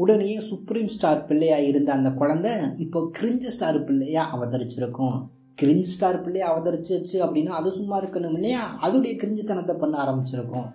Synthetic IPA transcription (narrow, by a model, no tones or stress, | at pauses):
ʊɽɐnejẽːsʊpɾiːmsʈaːɾpɪɭːɛjaːɪɾɯnd̪ɐɐnd̪ɐkʊɻɐnd̪ɛɪpːoːkɪɾɪɲd͡ʒɯsʈaːɾpɪɭːɐjaːʔɐʋɐðɐɾɪt͡ʃːɪɾɯkːʊ̃ | kɪɾɪɲd͡ʒɯsʈaːɾpɪɭːɛjaːɐʋɐðɐɾɪt͡ʃːɯɐt͡ʃːɯɐpːɐɽɪnːaːɐðɯsʊmːaːɪɾɯkːɐnːɯmʊɳːɐjaːɐðɯɽɐjɐkɪɾɪɲd͡ʒɯt̪ːɐnɐt̪ːɐpɐɳːɯaːɾɐmbɪt͡ʃːɪɾɯkːʊ̃